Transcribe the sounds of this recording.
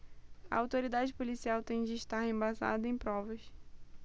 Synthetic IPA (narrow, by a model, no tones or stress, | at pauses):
ɐ̰awt̪oɾid̪ad͡ʒɪpolisiawt̪ẽj̃d͡ʒɪːʃt̪aɾhẽbaza̰d̪ɐẽj̃pɾɔvɐs